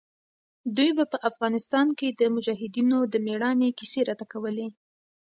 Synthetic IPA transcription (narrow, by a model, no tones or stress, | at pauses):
d̪ujbapəʔafɣɑnɪst̪ɑnked̪əmʊd͡ʒaɦɪd̪inod̪əmeɽɑnekiseɾat̪akawəle